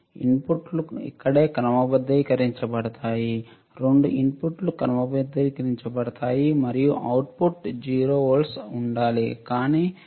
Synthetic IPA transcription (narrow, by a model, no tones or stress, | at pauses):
ḭnpuʈluḭkːɐɽe̞ːkɐɾɐmɐbɐd̪ːɐjkɐɾiɲt͡ʃɐpɐɽɐt̪aːji | ɾeɳɖuʔinpuʈlukɐɾɐmɐbɐd̪ːɐjkɐɾiɲt͡ʃɐpɐɽɐt̪aːjimɐɾijuʔɐwʈpuʈd͡ʒiːɾoːolsuɳɖaːlikaːniː